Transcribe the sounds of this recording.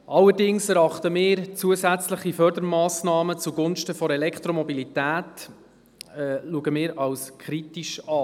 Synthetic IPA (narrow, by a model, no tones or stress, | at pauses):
ʔɑlːəɾdɪŋsɛɾɑχtəmɪːɾt͡suəzæt͡sləχifœɾd̪əɾmɑːsnɑːmət͡suɡʊnʃtəfɔɾɛlɛkt̪ɾɔmɔbilitæːt | ɛluəɡəmɪːɾɑwskʰɾitiʃɑː